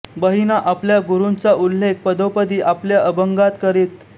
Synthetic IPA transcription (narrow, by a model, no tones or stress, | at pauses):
bəɦinaʔapljaɡuɾunt͡saʔulːek̚pəd̪opəd̪iːʔapljaʔəbəŋɡat̪kəɾiːt̪̚